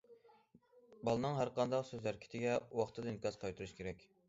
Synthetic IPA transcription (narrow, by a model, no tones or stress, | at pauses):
bɑlˠɨnɨŋɦæɾqɑnd̪ɑqsøzæɾkʲʰɪ̥t̪ʰɪɡʲɛwɑχt̪ʰɨd̪ɨnkɑzqʰɑjt̪ʰuɾuʃkʲʰeɾɛkʲ